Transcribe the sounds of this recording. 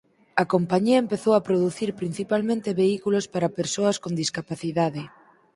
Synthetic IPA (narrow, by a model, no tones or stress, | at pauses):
ɐkompaɲiɐempeθowapɾoðuθiɾpɾin̟θipalmẽnt̪eβeikulospaɾɐpeɾsoɐskond̪iskapaθiðaðɪ